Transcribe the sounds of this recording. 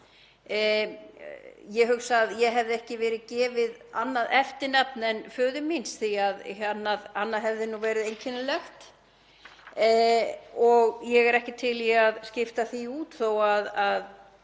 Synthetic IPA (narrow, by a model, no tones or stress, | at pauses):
jɛɦʏxsaðjɛɦɛvðɪɛhcɪvɛːɾɪðcɛːvɪða̰nːaðɛft̪ɪɾnap̚nɛnfœːðʏminsθiaðanːaðanːaðɦɛvðɪnuvɛːɾɪðejɲcʰɪnɪlɛxt̪ | ɔɣjɛɣɛɾɛhcɪt̪ʰɪliaðscɪft̪aθiuːt̪θowaðað